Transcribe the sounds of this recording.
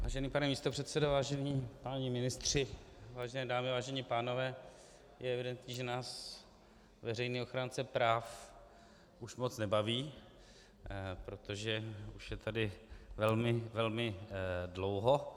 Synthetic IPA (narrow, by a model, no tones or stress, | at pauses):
vaːʒɛniːpanɛmiːst̪o̞pr̝ɛt̪sɛdovaːʒɛniːpaːɲɪmɪnɪst̪r̝̥ɪvaːʒɛnɛːdaːmɪvaːʒɛɲipaːno̞vɛː | jɛɛvɪdɛnt̪ɲiːʒɛnaːs | vɛrɛjniːo̞xɾaːnt͡sɛpɾaːf | uʃmot͡snɛbaviː | pɾo̞t̪o̞ʒɛuʃjɛt̪ʰadɪvɛlmɪvɛlmɪdlowɦo